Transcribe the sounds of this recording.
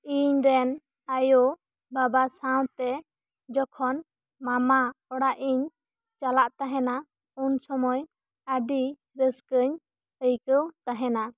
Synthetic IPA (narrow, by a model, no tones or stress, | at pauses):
iɲɾɛn | ajo | babasaw̃t̪ɛ | d͡ʒɔkʰɔn | mamaɔɽaʔiɲ | t͡ʃalaʔt̪aɦɛna | unsɔmɔj | aɖi | ɾəskəɲ | əjkəwt̪aɦɛna